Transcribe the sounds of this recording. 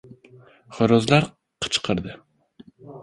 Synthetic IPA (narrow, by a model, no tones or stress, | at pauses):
χøɾɑzlˠɑɾ | qʰə̥t͡ʃʰqʰəɾd̪ɨ